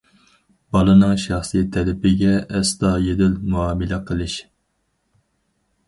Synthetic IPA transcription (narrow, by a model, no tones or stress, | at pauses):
b̥ɑlˠɨnɨŋʃɑχsɨt̪ʰɛlɪpɪɡʲɛːst̪ɑjed̪ɪlmuɑːmɨlɛqʰəlˠɨʃ